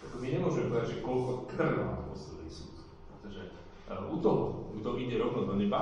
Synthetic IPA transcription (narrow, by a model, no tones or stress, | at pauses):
akɔmiɲɛmʊɔʒɛmɛpɔʋɛdaʒɛkɔlkɔt̪rna̰t̪pɔst̪ɛlisut̪ | pɾɛt̪ɔʒɛ | ʔut̪ɔɦɔɡd̪ɔʔid̪ɛɾɔʋnɔd̪ɔɲɛba